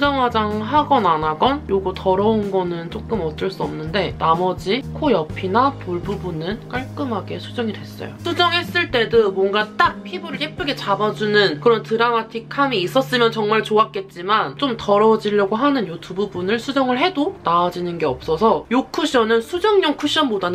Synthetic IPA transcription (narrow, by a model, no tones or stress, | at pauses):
ud͡ʑaŋɦwad͡ʑaŋɦaɡʌnanaɡʌnjoɡutʰʌɾʌunɡʌnɯnt͡ɕ͈ok͈ɯmʌt͈ɯɭs͈uʌmnɯnde̞namʌd͡ʑikʰojʌpʰinatoɭbubunɯnk͈aɭk͈ɯmɦaɡe̞sʰud͡ʑʌŋidwe̞s͈ʌ̰jo̰sʰud͡ʑʌŋɦe̞s͈ɯɭt͈e̞domwʌŋɡat͈ak̚pʰibuɾɯɭhep͈uɡe̞t͡ɕabad͡ʑunɯnkɯɾʌntɯɾamatʰikʰamiːs͈ʌs͈ɯmjʌnt͡ɕʌŋmaɭt͡ɕoak͈e̞t̚t͡ɕ͈imant͡ɕ͈omtʌɾʌd͡ʑiʎːʌɡoɦanɯnjutʰububunɯɭsʰud͡ʑʌŋɯɭɦe̞donaːd͡ʑinɯnɡe̞ʌp̚s͈ʌsʰʌjokʰuɕ͈ʰʌnɯnsʰud͡ʑʌŋɲokʰuɕ͈ʰʌnmodan